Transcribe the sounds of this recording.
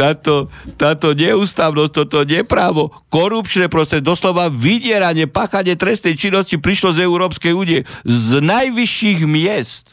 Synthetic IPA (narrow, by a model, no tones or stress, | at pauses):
t̪aːt̪ɔt̪aːt̪ɔɲɛuːst̪aːʋnɔsc̚t̪ɔt̪ɔɲɛpɾaːʋɔkɔɾupt͡ʃnɛpɾɔst̪ɾɛd̪ɔslɔʋaʋiɟɪɛɾaɲɪɛpaːxaɲɪɛt̪ɾɛst̪nɛjt͡ʃinːɔscipɾiʃlɔzɛuɾɔːpskɛjuːnijɛznajʋiʃiɣmɪɛst̪